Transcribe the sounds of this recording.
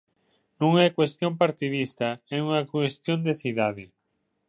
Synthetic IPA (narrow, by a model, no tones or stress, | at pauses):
nũŋɛkwest̪jõmpaɾt̪iðist̪ɐɛuŋɐkwest̪jond̪eθiðaðɪ